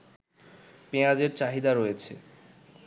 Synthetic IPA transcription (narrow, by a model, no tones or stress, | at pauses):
pead͡ʑeɾt͡ɕaɦid̪aɾojet͡ɕʰḛ